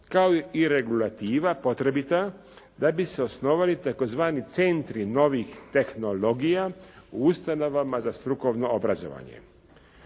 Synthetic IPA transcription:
kaoiɾe̞ɡulat̪iːʋapo̞t̪ɾe̞bit̪a | d̪abiseo̞sno̞ːʋalit̪ako̞zʋaːnit̪sent̪ɾino̞ʋixt̪e̞xno̞lo̞ɡijauust̪ano̞ʋamazast̪ɾuko̞ʋno̞obɾazo̞̰ʋa̰ɲḛ

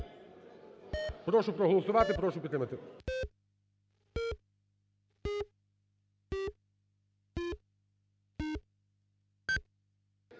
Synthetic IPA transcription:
pɾɔʃʊpɾɔɦɔlˠɔsʊʋɑt̪ɪpɾɔʃʊpʲit̪ːɾɪmɐt̪ɪ

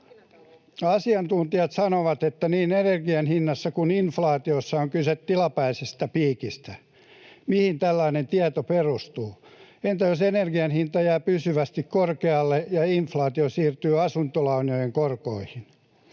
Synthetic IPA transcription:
ɑsiɑnt̪unt̪iɑt̪sɑnoʋɑt̪et̪ːæniːnenerɡiɑnhinːɑsːɑkuninflɑːt̪iosːɑoŋkyset̪tːilɑpæisest̪æpiːkist̪æ | mihint̪ælːɑinent̪iæt̪operust̪uːent̪æjosenerɡiɑnhint̪ɑjæːpysyʋæst̪ikkorkeɑlːejɑinflɑːt̪iosiːrt̪yːɑsunt̪olɑunojeŋkorkoihin

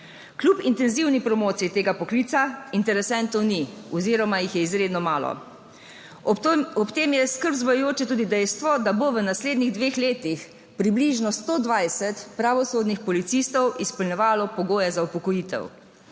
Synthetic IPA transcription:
klʲupint̪ɛnziwnipɾɔmoːt̪sijit̪eːɡapɔklit̪saint̪ɛɾɛsɛnt̪ɔwniɔziːɾɔmajixjɛizɾeːd̪nɔmaːlɔ̰ | ɔpt̪eːmjɛskəɾbzʋɔjɛjoːt͡ʃɛt̪uːd̪id̪ɛjst̪ʋɔd̪aboʋənasleːd̪niɣd̪ʋeːxleːt̪ix | pɾibliʒnɔst̪oːd̪ʋajsɛt̪pɾaʋɔsoːd̪nixpɔlit̪sist̪ɔwʔispɔlnɲɛʋaːlɔpɔɡoːjɛzaupɔkɔjit̪ɛ̰w

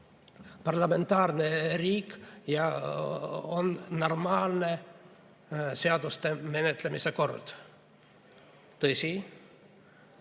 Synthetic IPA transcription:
pɑrlɑme̞nt̪ːɑːrneriːkːjɑ | onːo̞rmɑːlne̞ | seɑd̪̥ust̪eme̞net̪lemiseko̞rd̪̥ | t̪ɤsʲi

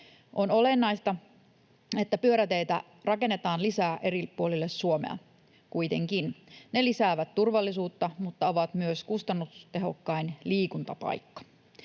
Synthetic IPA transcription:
ʔono̞le̞nːɑist̪ɑ | e̞t̪ːæpyøɾæt̪e̞jt̪æ | rɑke̞nːe̞t̪ɑːnlisæːʔe̞ɾipuolilːessuomḛɑ̰ | kuit̪e̞̰ŋkinne̞lisæːʋæt̪t̪urʋɑlːisuːt̪ːɑmut̪ːɑo̞ʋɑt̪myøskust̪ɑnːust̪e̞ɦo̞kːɑinliːkunt̪ɑpɑ̰jkːɑ̥

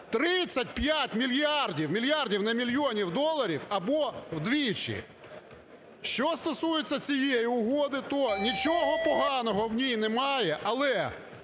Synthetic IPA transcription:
t̪ɾɪt͡sʲːɐt̚ʲpʲjatʲmʲilʲjardʲiwmʲilʲjardʲiwnɛmʲilʲjɔnʲiwd̪ɔlˠɐɾʲiwɐbɔwd̪ʋʲit͡ʃɪ̰ | ʃt͡ʃɔst̪ɔsujet͡sʲːɐt͡sʲijejiʊɦɔd̪ɪt̪ɔnʲit͡ʃɔɦɔpɔɦɑnɔɦɔwnʲijnɛmɑjɛʔɐlˠɛ

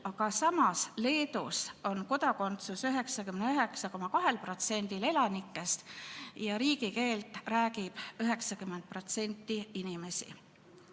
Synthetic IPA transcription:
ɑkɑsɑmɑsle̞ːt̪uso̞nko̞d̪ɑko̞nt̪susyɦe̞ksɑkymneøɦe̞ksɑko̞mɑkɑɦe̞lpro̞t̪se̞nʲd̪̥ile̞lɑnikːe̞st̪jɑɾiːkike̞ːlt̪ˑræːɡib̥øɦe̞ksɑkymːed̪̚pro̞t̪se̞nʲt̪ːiinime̞sḭ

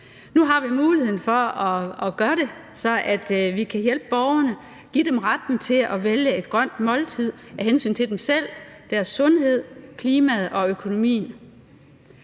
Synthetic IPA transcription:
nuɦɑ̈ʋimuːlihe̝ð̰ˠn̩fɒ̽ɒ̽ːɡ̥ɶɐɾe̝sɒ̽ʔæd̥ʋikʰæjel̰b̥b̥ɒʊɐnə | ɡ̥id̥emʁad̥n̩t͡sʰe̝lɒʋeljəe̝d̥ɡ̥ʁɶn̰d̥mɒ̽lt͡sʰið̰ˠæɦensy̰ːnt͡sʰe̝d̥emsel̰d̥æɐsːɔ̽nɦe̝ð̞̰ˠkʰliːmæðˠɒ̽økʰo̝no̝mḭːn

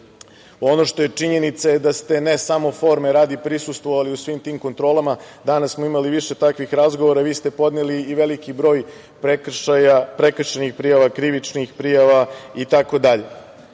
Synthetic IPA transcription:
o̞no̞ʃt̪o̞je̞t͡ʂiɲe̞nit̪sajed̪ast̪e̞nesamo̞fo̞ɾmeɾaːd̪ipɾisust̪ʋoʋaliusʋimt̪iːmko̞nt̪ɾo̞ːlamad̪anassmo̞imaliʋiʃe̞t̪akʋixɾazɡoʋoɾaʋiːst̪e̞po̞d̪neliːʋe̞likibɾo̞ːj | pɾekajapɾekr̩ʃenixpɾijaʋakɾiʋit͡ʂnixpɾijaʋait̪ako̞d̪aʎe̞

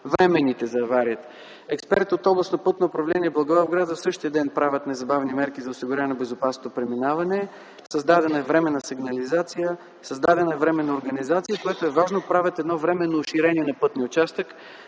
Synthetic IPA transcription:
vɾɛmɛnit̪ɛzɐvaɾiət̪ | ɛkspɛɾt̪ot̪ɔblˠɐsnopɤt̪noːpɾɐvlɛniɛblˠɐɡovavɡɾad̪əsɤʃt̪iəd̪ɛnpɾavʲət̪nɛzɐbavnimɛɾkizɐʊsiɡʊɾjavnɛbɛzopasnot̪opɾɛminavɐnɛ | sɐzd̪ad̪ɛnəɛvɾɛmɛnəsiɡnɐlizat̪sijə | sɐzd̪ad̪ɛnəɛvɾɛmɛnːɐoɾɡɐnizat̪sijəkojɛt̪oɛvaʒnopɾavʲət̪ɛd̪nɔvɾɛmɛnːoːʃiɾɛniɛnɐpɤt̪niʊt͡ʃast̪ək

